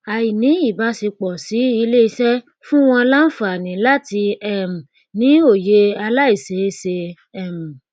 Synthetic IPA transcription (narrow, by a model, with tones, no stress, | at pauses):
a˨i˨nĩ˨˦i˦˨ba˨˦se˧k͡pɔ˨si˨˦i˧˦le˦˨i˧sɛ˦ | fũ˦w̃ɔ̃˧la˦n̩˦fa˨nĩ˨˦la˦ti˧ɛ˦˨m̩˨ | nĩ˨˦o˦˨je˧˦a˧la˦i˦˨se˨˦se˧ | ɛ˦˨m̩˨